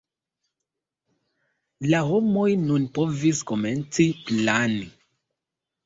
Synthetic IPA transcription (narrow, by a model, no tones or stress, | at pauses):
laɦo̞mo̞jnunpo̞visko̞me̞nt͡siplani